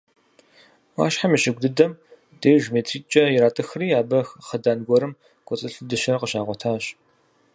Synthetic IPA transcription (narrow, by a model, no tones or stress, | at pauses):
wa̰ːʃħamiɕɪɡʷdɨdɐm | deːʒmeːtʰriːt͡ʃʼɐjɪɾaːtʼɨxriːaːbɐxχədaːnɡʷɔɾɨm | ɡ̥ʷʼɔt͡sʼɨɬɨdɨʃɐrqəɕaːʁʷɔtʰaːɕ